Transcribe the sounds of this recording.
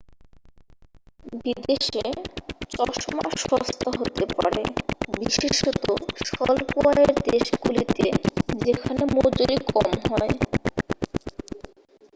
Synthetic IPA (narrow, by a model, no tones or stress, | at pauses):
bid̪eʃet͡ɕɔʃoma̰ʃɔst̪aɦot̪epa̰ɾebiʃeʃɔt̪oʃɔlkoaeɾd̪eʃɡulit̪ed͡ʑekʰanemod͡ʑoɾikɔmɦɔe